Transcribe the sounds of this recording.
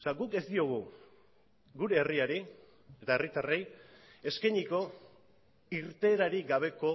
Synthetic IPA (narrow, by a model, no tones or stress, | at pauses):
saɡuke̞zd̪io̞ɣ̞u | ɡuɾe̞ːriaɾi | e̞t̪aerit̪are̞je̞skajɲiko̞ | iɾt̪e̞ːɾaɾiɣaβ̞e̞ko̞